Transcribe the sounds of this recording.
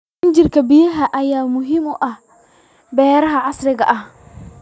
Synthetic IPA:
ɪɲd͡ʒɪrkʰɐbɪjɐɦɐʔɐjaːmʊɦɪmʊʔɐh | bɛːɾɐɦɐʕɑsɾɪɣɐ̰ʔɐh

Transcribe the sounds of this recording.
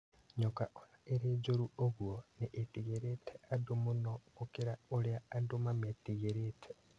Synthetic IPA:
ɲokaoeɾid͡ʒuɾuoɣwoniʔːtiɣeɾeteadumunokukiɾaoliaːdumametiɣeɾetʰe̥

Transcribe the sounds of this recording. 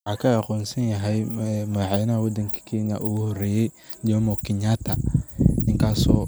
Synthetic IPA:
wħaːkʰɐɑqɔːnsɐnjɐɦɛjmɐðɑħɛjnɐɦɐwɔd̪ɐŋkʰɐ̥kʰɛːnɐ̰ʔuɣʊhɔrɛːjɛj | d͡ʒɔmɔkʰɪɲaːt̪ʰɐnɪŋkʰaːsɔː

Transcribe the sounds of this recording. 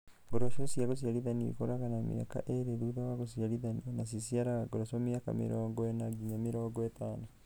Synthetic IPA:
βoɾoʃunsiaɡos̬jaɾiðaniɾḭkoɾaɣanamḭa̰ka̰ʔeɾeɾuðawaɣosjaliðanionasisjaɾaaɡoɾosomjaka̰mḭɾoːŋɡoenaɡiɲamiɾoːŋɡoetaːno

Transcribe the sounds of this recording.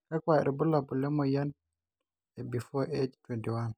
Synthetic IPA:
kakwaɛ̰ɾbulabulɛmɔjan | ɛbifɔʔed͡ʒtwɛntiwan

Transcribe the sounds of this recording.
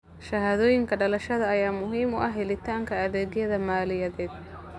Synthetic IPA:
ʃɐɦaːðɔːjɪŋkʰɐɖɐlɐʃɐðɐɐjaːmʊɦiːmʊʔɐɦɛlɪt̪ʰaːŋkʰɐɐðɛːɣjɐðɐmaːlɪjɐðɛːd̪̚

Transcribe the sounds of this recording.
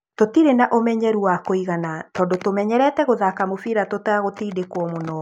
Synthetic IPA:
totiɾenaʔomɛɲɛɾuwakoiɣanatɔːndotomɛɲɛɾɛtɛɣoðakamofiɾatotaaɣotiːdekwɔmonɔ

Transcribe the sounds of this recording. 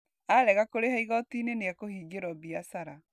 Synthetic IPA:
aɾɛɣakoɾehaiɣɔtineneakohiːɡeɾɔbiasaɾa

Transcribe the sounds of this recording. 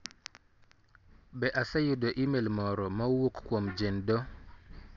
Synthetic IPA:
bɛʔasajudoʔimelmɔɾɔmawokːwomd͡ʒendo

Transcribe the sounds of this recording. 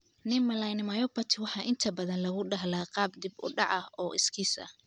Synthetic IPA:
nɪmɐlɐjnɪmɐjɔpɐt̪ʰɪwɑħɑːʔɪnt̪ʰɐbɐðɐnlɐɣʊɖɐɦlaːqɑːb̚d̪ɪbʊ̰ɖɑʕɐɔːʔɪ̰skʰiːsɐ̰

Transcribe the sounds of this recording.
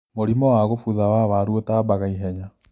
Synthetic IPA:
moɾimɔwaɣofuðawaβaɾwotaːbaɣaiɦɛɲa

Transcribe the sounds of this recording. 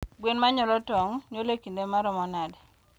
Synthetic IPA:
bwenmaɲɔlɔtɔŋɲolekindemaɾɔmɔnadɛ

